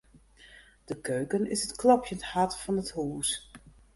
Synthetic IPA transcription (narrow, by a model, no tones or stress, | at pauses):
d̥əkøːkənɪsətklɑpʰjənthatfɑnəthuːs